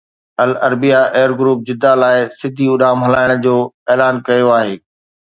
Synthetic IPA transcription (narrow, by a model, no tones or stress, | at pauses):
ɐlɐɾbijaʔeːəɾɡɾuːp̚d͡ʑɪd̪alaːɪsɪd̪ʱiʊɗaːmɦɐlaːɪɽ̃d͡ʑoːeːlaːnkɐjoaːɦeː